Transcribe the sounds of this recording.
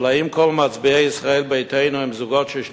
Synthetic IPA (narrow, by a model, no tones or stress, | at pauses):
laimkʰɔlmat͡sbiaisʁaɛlbejt̪ʰejnuhɛmzuɡɔtʃɛʃ